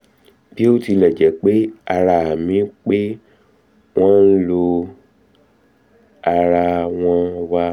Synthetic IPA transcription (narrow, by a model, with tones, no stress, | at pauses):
b̥i˦o˦˨ti˧lɛ˨d͡ʒɛ˨˦k͡pe˦a˧ɾa˧a˨mĩ˨˦k͡pe˦ | w̃ɔ̃˦n̩˦lo˧ | a˧ɾa˧w̃ɔ̃˧wa˧